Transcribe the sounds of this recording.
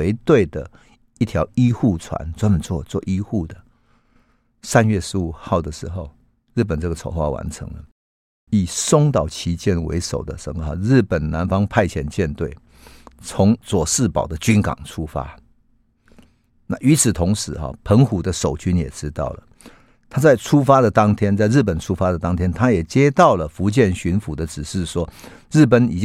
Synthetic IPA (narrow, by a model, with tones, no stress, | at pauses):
e˧˥ɪt̪we˥˩ɪd̪ə˩ | i˥˩t̪ʰjɑ˧˥ʊi˦xu˥˩t͡sʰwa̰˧˦nt͡swa˥nmə˨˦nt͡swɔ˥˨t͡swɔ˥˧ʔi˦xu˥˩d̪ə˩ | sa˥nɥɛ˥˩ʂɻ̩˧˥u˨˩xɑ˥˩ʊd̪ə˩ʂɻ̩˧˥xo˥˧ʊ | ɻ̩˥˩p̬ə˨˩nt͡sə˥˩ɡə˨t͡sʰo˧˥ʊxwa̰˥˩wa̰˧˥nt͡sʰə̰˧˥ŋlə̰˨ | i˨˩sʊ˥ŋt̪ɑ˨˩ʊt͡ɕʰi˧˥t͡ɕjɛ˥nwḛ˧˥ɪʂo˨˩ʊd̪ə̰˨ʂə˨˦ŋə˨xɔ̰˨ɻ̩˥˩pə˨˩nna˧˥nfɑ˥ŋpʰa˥˧ɪt͡ɕʰjɛ˧˥nt͡ɕjɛ˥˧nt̪we˥˩ɪ | t͡sʰʊ˧˥ŋt͡swɔ˨˩ʂɻ̩˥˩pɑ˨˩ʊd̪ə˦t͡ɕy˥nkɑ̰˨˩ŋt͡sʰu˥fa̰˦ | na˥˨ʔy˧˥t͡sʰɹ̩˨˩t̪ʰʊ˧˥ŋʂɻ̩˧˦xɔ̰˨˩pʰə˧˥ŋxu˨˥d̪ə˧ʂo˨˩ʊt͡ɕy˥njɛ̰˨˩ʈ͡ʂɻ̩˦t̪ɑ˥˩ʊlə̰˩ | t̪ʰa˥t͡sa˥˩ɪt͡sʰu˥fa˥d̪ə˨t̪ɑ˥ŋt̪ʰjɛ˥nt͡sa˥˧ɪɻ̩˥˩pə˨˩nt͡sʰu˥fa˥d̪ə˨t̪ɑ˥ŋt̪ʰjɛ˥nt̪ʰa˥jɛ˨˩t͡ɕjɛ˥t̪ɑ˥˨ʊlə˩fu˧˥t͡ɕjɛ˥˩nɕy˧˥nfu˧˥d̪ə˨ʈ͡ʂɻ̩˨˩ʂɻ̩˥˩ʂwɔ˦ | ɻ̩˥˩pə˨˩ni˨˩t͡ɕ